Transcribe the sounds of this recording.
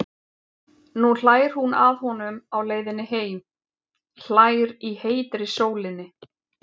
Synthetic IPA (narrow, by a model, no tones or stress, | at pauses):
nul̥aːjɾ̥hunaðhɔnʏmawleːjðɪnːɪɦeːjm | l̥aːjɾiheːjt̪ɾɪsoːwlɪnːɪ